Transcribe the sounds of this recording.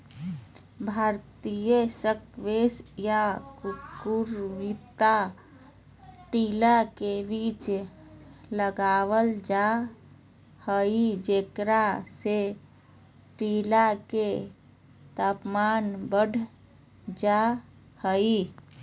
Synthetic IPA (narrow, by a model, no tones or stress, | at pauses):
bʱaɾt̪ijəsəkʋesjakkuɾʋit̪a | ʈilakebit͡ʃ | ləɡaʋəld͡ʒa | həid͡ʒekɾase | ʈilake | t̪apmanbəɖʱ | d͡ʒa | həi